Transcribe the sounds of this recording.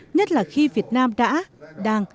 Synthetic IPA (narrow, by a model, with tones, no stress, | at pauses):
ɲə˦˥t̚laː˨˩xi˧vi˨˩ət̚naː˧mɗa̰ː˧˥ɗaː˧ŋ